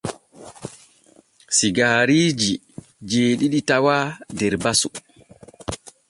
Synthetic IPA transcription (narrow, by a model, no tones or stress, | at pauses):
siɡaːɾiːd͡ʒi | d͡ʒeːɗiɗitawaːdɛɾbasu